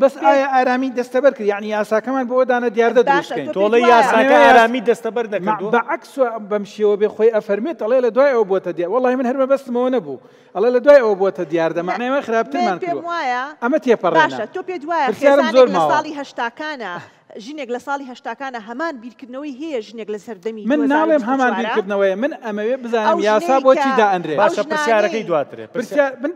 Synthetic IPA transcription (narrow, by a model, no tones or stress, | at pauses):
bɐsaːjaʔaːɾaːmid̪ɐst̪ɐbɐɾkɨɾjaʕnijaːsaːkɐmaːnbood̪aːnɐd̪ijaːɾd̪ɐd̪ɾuskɐjnot̪ʰolˠɐjjaːsaːaaaːɾaːmid̪ɐst̪ɐbɐɾnɐkubɐʕakswɐbɐmʃewɐbexojʔɐfɐɾmet̪ɐlˠelɐd̪waːjɐwɐbot̪ɐd̪jawɑlˠːɑːhimɨnhɐɾmɐbɐst̪ɨmɐwɐnɐbṵ | hɐlˠelɐd̪waːjɐwɐbot̪ɐd̪ijaːɾd̪ɐmaʕnaːjmɐjxɨɾaːb̚t̪ɨɾmaːnked̪uwɐwaːjɐʔɐmɐt̪ʰepɐreʃɐt̪oped̪waːjɐpɨɾsjaːɾɨmzoɾmaːlˠsɑːlˠihɦɐʃt̪aːkaːnɐ | ʒɨneːklɐsɑːlˠihɐʃt̪aːkaːnaɦɐmaːnbiːɾkɨɾd̪nɐwɐjɦɛjɛʒɨneklɐsɐɾd̪ɐmimɨnːaːlˠemɦɐmaːnbiːɾkɨɾd̪ɨnɐwɐjɐmɨnɐmɐwebɨzaːnɨmjjaːsaːbot͡ʃid̪aːʔɐnreaʃɨɾsjaːɾɐkɐjd̪waːt̪ɨɾḛpɨɾsjaɾmɨn